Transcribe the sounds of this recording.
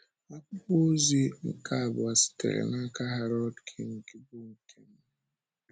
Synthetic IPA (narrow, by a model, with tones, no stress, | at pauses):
a˨kʊ˦po˦zi˦ŋ̩˨ka˦˨bʊ˨a˨si̥˨tḛ˨ɾḛ˨na˦ka˦ɦa˨ɾɔ˦dkʰi˨ŋ̩˨ki˦bu˦ŋ̩˨kʰe˦m̩˦